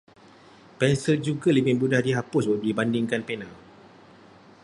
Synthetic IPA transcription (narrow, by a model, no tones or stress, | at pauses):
pɛnsəld͡ʒuɡalimɪnbudahdiɦapʊsbadibandɪŋkanpɛnãl